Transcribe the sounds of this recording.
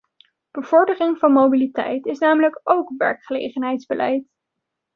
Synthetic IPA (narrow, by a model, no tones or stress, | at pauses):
b̥əv̥ɔɹdərɪŋvɑnmowbilitɛ̰jtɪsnaːmələkowkʋɛ̰ɹkχəlḛjχənɦɛjtzbəlʔɛ̰jt